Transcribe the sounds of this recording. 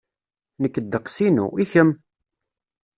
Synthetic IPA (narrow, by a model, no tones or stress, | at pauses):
nəkːəd̪ːəqːsinṵiçəm